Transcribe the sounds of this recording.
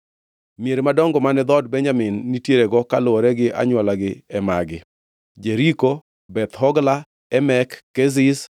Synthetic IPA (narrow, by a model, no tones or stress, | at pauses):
mieɾemadɔŋɡɔmanɛd̪ɔd̚bɛɲd͡ʒamɪnːitjeɾeɡɔkalooɾɛɡɪʔa̰ɲwalaɡɪɛma̰ɡɪ | d͡ʒeɾiko | bɛt̪hɔɡla | ɛmɛkːɛzɪs